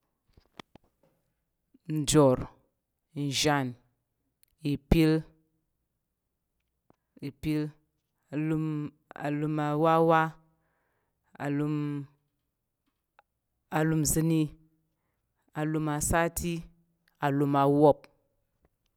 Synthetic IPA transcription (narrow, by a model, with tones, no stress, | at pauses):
n̩˦˨d͡ʒo˨ɾ | n̩˨ʒa˨n | i˨pi˦l | i˨pi˦l | a˨lu˦m | a̰˨lu˨ma˨wa˦wa˦ | a̰˨lu˧m | a˨lu˧mzɨ˧ni˦ | a˨lu˨ma˨sa˦ti˦ | a˨lu˨ma˨wo˦p̚